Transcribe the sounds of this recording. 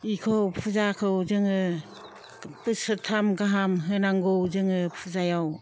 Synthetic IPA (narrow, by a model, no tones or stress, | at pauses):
ikʰowpʰuzakʰɯwzɯŋɯ | pɯsɯtʰamɡaɦamɦɯnaŋɡowzɯŋɯpʰuzajaw